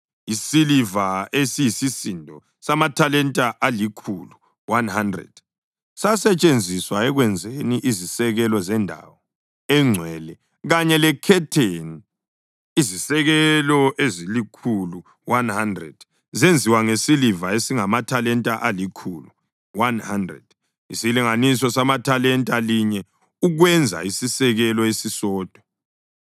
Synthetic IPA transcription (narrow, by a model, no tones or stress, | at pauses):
isilivaesijisisindʱɔ | samatʰalɛntʼaʔalikʰulu | wanhandrɛ̰d̥ | sasɛt͡ʃʼend͡zʱiswaɛɣwɛnd͡zʱeniʔizisɛɣɛlɔzɛndʱa̰wɔ | ɛŋ͡ǀʱwɛlɛ | ɣaɲɛlɛkʰɛtʰeni | izisɛɣɛlɔʔezilikʰulu | wanhandrɛ̰d̥ | zend͡zʱiwaŋesilivaesiŋamatʰalɛntʼaʔalikʰulu | wanhandrɛ̰d̥ | ḭsiliŋanisɔsamatʰalɛntʼaliɲɛ | uɣwɛnd͡zʱa̰isisɛɣɛlɔesisɔːd̥ʱwɔ